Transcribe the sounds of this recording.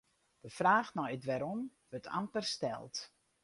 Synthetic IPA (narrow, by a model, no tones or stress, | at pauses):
d̥əfraːxnɔɪtʋɛɾɔmʋøtʰa̰mpərstɛ̰lˠt